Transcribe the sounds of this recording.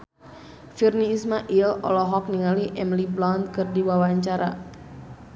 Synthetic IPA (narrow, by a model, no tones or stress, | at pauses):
firniːsmaʔilɔ̰lɔɦɔk̚niŋaliʔɛmliplɔnt̪̚kɨrdiwawaɲt͡ʃaɾa